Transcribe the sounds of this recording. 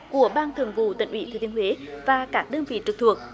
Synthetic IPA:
ku˧˩əɓaː˧nt̪ʰɨ˨˩əŋvṵ˧˨t̪ḭ̈˧˨ŋ̟ʔwḭ˧˩t̪ʰəː˨˩t̪i˨˦ənhwe˨˦vaː˨˩kaː˦˥k̚ɗəː˧nvḭ˧˨t͡ɕɨ˨˩k̚t̪ʰɨ˨˩ək̚

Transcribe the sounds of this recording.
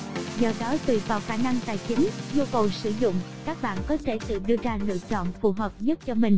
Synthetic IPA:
zəː˨˩ɗɔ˨˦t̪wi˧˨˩vaː˨˩wxaː˧˩na˧ŋt̪a̰ː˨˩jt͡ɕï˨˦ŋ̟zu˧kə˨˩wsɨ˧˩zʊ̰˧˨ŋ͡m | kaː˦˥k̚ɓa̰ː˧˨nkɔ˨˦t̪ʰe˧˩sɨ̰˧˨ɗɨ˧əzaː˧lɨ̰˧˨ət͡ɕɔ̰˧˨nfu˨˩ɦəː˨˩p̚ɲə˦˥t̚t͡ɕɔ˧mï˨˩ŋ̟

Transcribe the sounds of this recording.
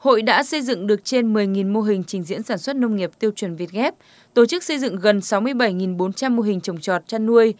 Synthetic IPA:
ho̰˧˨jɗa̰ː˧˥sə˧jzɨ̰˧˨ŋɗɨ˨˩ək̚t͡ɕe˧nmɨ˨˩əjŋi˨˩nmo˧ɦï˨˩ŋ̟t͡ɕï˨˩ŋ̟zḭ˧˥ənsaː˧˩nswə˦˥t̚nə˧wŋ͡mŋi˨˩əp̚t̪i˧əwt͡ɕwə˨˩nvi˨˩ət̚ɣɛ˦˥p̚ | t̪o˧˩t͡ɕɨ˦˥k̚sə˧jzɨ̰˧˨ŋɣə˨˩nsa˨˦wmɨ˧əjɓə˧˩jŋi˨˩nɓo˨˦nt͡ɕa˧mːo˧ɦï˨˩ŋ̟t͡ɕə˨˩wŋ͡mt͡ɕɔ˨˩t̚t͡ɕaː˧nːu˧əj

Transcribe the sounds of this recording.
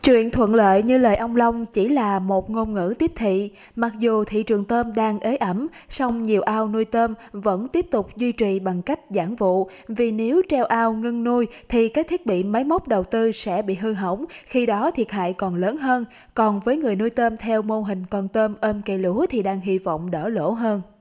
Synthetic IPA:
t͡ɕwḭ˧˨ənt̪ʰwə̰˧˨nlə̰ː˧˨jɲɨ˧ləː˨˩jʔə˧wŋ͡mlə˧wŋ͡mt͡ɕi˧˩laː˨˩mo˨˩t̚ŋo˧nŋɨ̰˧˥t̪i˦˥əp̚t̪ʰḭ˧˨ | ma˨˩k̚zu˨˩t̪ʰḭ˧˨t͡ɕɨ˨˩əŋt̪əː˧mɗaː˧ŋʔəː˨˦jʔə˧˩msɔ˧wŋ͡mɲi˨˩əwʔaː˧wnu˧jt̪əː˧mvə̰˧˥nt̪i˦˥əp̚t̪ʊ˨˩k͡p̚zwi˧t͡ɕi˨˩ɓa˨˩ŋka˦˥jk̟̚zaː˧˩ŋvṵ˧˨ | vi˨˩ne˨˦wt͡ɕɛ˧wʔaː˧wŋɨ˧ŋnu˧jt̪ʰi˨˩kaː˦˥k̚t̪ʰi˦˥ət̚ɓḭ˧˨mə˨˦jmə˦˥k͡p̚ɗə˨˩wt̪ɨ˧sɛ̰˧˥ɓḭ˧˨ɦɨ˧ɦə˧˩wŋ͡mxi˧ɗɔ˨˦t̪ʰi˨˩ət̚ɦa̰ː˧˨jkɔ˨˩nləː˨˦nɦəː˧n | kɔ˨˩nvəː˨˦jŋɨ˨˩əjnu˧jt̪əː˧mt̪ʰɛ˧wmo˧ɦï˨˩ŋ̟kɔ˧˩nt̪əː˧mʔəː˧mke˧˩lu˨˦ət̪ʰi˨˩ɗaː˧ŋɦi˧vɔ̰˧˨wŋ͡mɗə̰ː˧˩lo̰˧˥ɦəː˧n

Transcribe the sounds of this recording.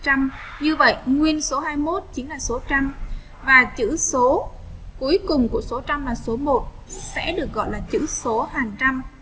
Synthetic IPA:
t͡ɕa˧m | ɲɨ˧və̰˧˨jŋwi˧ənso˨˦ɦaː˧jmo˦˥t̚t͡ɕi˨˦nlaː˨˩so˨˦t͡ɕa˧m | vaː˨˩t͡ɕɨ̰˧˥so˨˦ | ku˨˦jkʊ˨˩ŋ͡mku˧˩əso˨˦t͡ɕa˧mlaː˨˩so˨˦mo˨˩t̚ | sɛ̰˧˥ɗɨ˨˩ək̚ɣɔ̰˧˨jlaː˨˩t͡ɕɨ̰˧˥so˨˦haː˨˩ŋt͡ɕa˧m

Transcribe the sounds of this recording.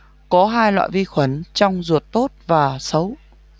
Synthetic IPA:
kɔ˨˦ɦaː˧jlwa̰ː˧˨jvi˧xwə˨˩nt͡ɕɔ˧wŋ͡mzu˨˩ət̚t̪o˦˥t̚vaː˨˩sə˨˦w

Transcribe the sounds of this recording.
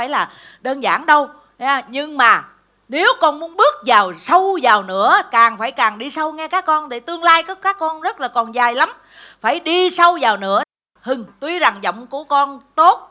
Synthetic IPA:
aː˧˩jlaː˨˩ | ɗəː˧nza̰ː˧˩nɗə˧w | aː˧ɲɨ˧ŋmaː˨˩ | ne˨˦wkɔ˧nmu˨˦ənɓɨ˦˥ək̚zaː˨˩wsə˧wzaː˨˩wnɨ̰˧˥əkaː˨˩ŋfaː˧˩jkaː˨˩ŋɗi˧sə˧wŋɛ˧kaː˦˥kːɔ˧nt̪e˧˩t̪ɨ˧əŋlaː˧jkaː˨˦kaː˦˥kːɔ˧nzə˦˥t̚laː˨˩kɔ˨˩nzaː˨˩jla˨˦m | faː˧˩jɗi˧sə˧wzaː˨˩wnɨ̰˧˥ə | hɨ˨˩ŋt̪wi˧za˨˩ŋzə̰˧˨wŋ͡mku˧˩əkɔ˧nt̪o˦˥t̚

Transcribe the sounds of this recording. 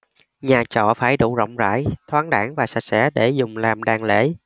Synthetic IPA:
ɲaː˨˩t͡ɕɔ̰˧˨faː˧˩jɗṵ˧˩zɔ̰˧˨wŋ͡mza̰ː˧˥jt̪ʰwaː˨˦ŋɗaː˧˥ŋvaː˨˩sa˨˧˩k̚sɛ̰˧˥ɗe˧˩zʊ˨˩ŋ͡mlaː˨˩mɗaː˨˩ŋlḛ˧˥

